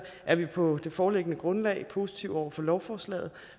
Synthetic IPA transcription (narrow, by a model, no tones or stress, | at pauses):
ʔæɐʋipʰɒ̽d̥e̝fɒːleɡ̥ənəɡ̥ʁɔ̽nlɛ̰ɪpʰo̝ːsi̥t͡sʰiʊ̰ɒʊ̰ɐfɒ̽lɒʊfɒːslɛ̰ːð̞̩ˠ